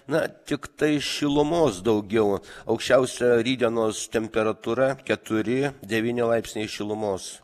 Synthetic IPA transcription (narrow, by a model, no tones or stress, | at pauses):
nɐt̪ʲɪkt̪ɐɪʃʲɪlˠʊmoːsd̪ɐʊɡʲɛʊɐʊkʃʲt͡ʃʲɛʊsʲɛɾʲiːd̪ʲonoːst̪ʲɛmʲpʲɛɾɐt̪uɾɐkʲɛt̪ʊɾʲɪd̪ʲɛʋʲiːnʲɪlˠɐɪpʲsʲnʲɛɪʃʲɪlˠʊmoːs